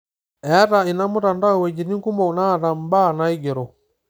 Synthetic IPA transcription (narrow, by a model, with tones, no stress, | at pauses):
ɛ˨a˦ɾa˨i˨na˦mu˦ɾa˨nda˦˨we˨d͡ʒi˨ni˦ŋ˦ku˦mo˨na˦˨ɾa˨m˨˦ba˦˨na˦i˦ɡe˨ɾo˨